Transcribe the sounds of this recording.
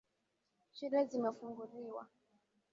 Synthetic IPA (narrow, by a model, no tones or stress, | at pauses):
ʃilɛzimɛfuŋɡuliwa̰